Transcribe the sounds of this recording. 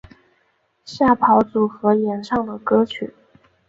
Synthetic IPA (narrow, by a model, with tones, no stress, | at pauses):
ɕja˥˩pʰɑ˧˥ʊt͡su˨˩xɤ˧˥ljɛ˧˥nʂɑ˥˩ŋd̪ə˩kɤ˥t͡ɕʰy̰˨˩˦